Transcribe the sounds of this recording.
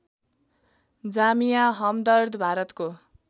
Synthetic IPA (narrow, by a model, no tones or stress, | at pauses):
d͡zamijaɦʌmd̪ʌrd̪ʱbʱaɾʌt̪ko